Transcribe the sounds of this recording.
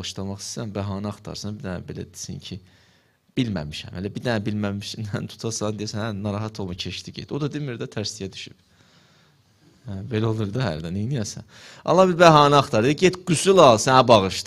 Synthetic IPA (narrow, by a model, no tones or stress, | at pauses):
ɣɯʃd̪ɑmɑχssænbæɦɑːnɑɑχt̪ʰɑ̰ɾsɑnbid̪ænæ̰be̞læ̰d̪i̥sḭɲcʰi | b̥ilmæ̰miʃæ̰mhelæbiɾd̪ænæbilmæmiʃsæ̰nt̪ʰu̥t̪ʰɑsɑnd̪ijæsænænɑɾɑɦɑt̪ʰolˠmucʰeʃt̪ʰiɟḛt̪od̪ɑd̪ilmiɾd̪æt̪ʰæɾsijæd̪y̥ʃyb̥ | hæbe̞læolˠuɾd̪ɑɦæ̰ɾd̪æninijæsæ̰n | ɑ̰lˠɑbilbæɦɑːnɑɑχt̪ʰɑɾɯɟet̪ɡ̥ysylˠɑlˠsænæbɑɣɯʃt̪